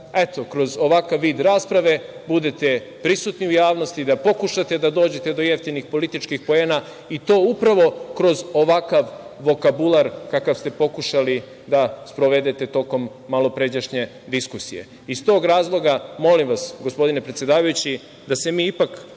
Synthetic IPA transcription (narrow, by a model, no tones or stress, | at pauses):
e̞t̪o̞kɾo̞zo̞ʋakaʋːiːd̪ɾaːspɾaʋe̞bud̪e̞t̪e̞ | pɾisut̪niujaːʋno̞st̪id̪apo̞kuʃat̪e̞d̪ad̪o̞ːd͡ʑe̞t̪e̞d̪o̞jeft̪inixpo̞lit̪it͡ʃkixpo̞ena | it̪o̞ːupɾaʋo̞kɾo̞zo̞ʋakaʋːo̞kabulˠaɾkakaʋst̪e̞po̞kuʃali | d̪aspɾo̞ʋe̞d̪e̞t̪e̞t̪o̞ːko̞mːalˠo̞pɾe̞d͡ʑaʃɲe̞ | d̪iskusije̞̰ | ist̪o̞ːɡɾaːzlˠo̞ɡamo̞limʋasɡospo̞d̪inepɾet̪sje̞d̪aːʋajut͡ɕi | d̪asemiːipak